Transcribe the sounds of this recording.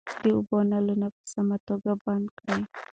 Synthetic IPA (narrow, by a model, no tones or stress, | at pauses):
diubɔnalunap̚əsamat̪ɔɡabankaj